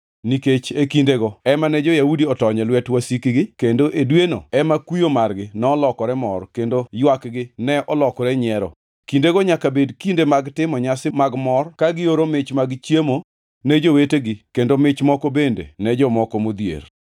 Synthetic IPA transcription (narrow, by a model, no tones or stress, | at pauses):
niket͡ʃekindeɡoɛmanɛd͡ʒɔjaudiɔtɔɲɛlwɛtwasikiɡɪkendoʔedweno̰ɛmakujomarɡɪnɛɔlɔkɔɾɛmɔrkendojwakɡɪnɛʔɔlɔkɔɾɛɲɛɾɔ̰ | kindeɡoɲakabedkindemaɡtɪmɔɲasɪmaɡmɔrkaɡɪoɾomɪt͡ʃmaɡt͡ʃjemo | nɛd͡ʒoweteɡɪkendomɪt͡ʃmɔkɔbendḛnɛd͡ʒɔmɔkɔmod̪jḛr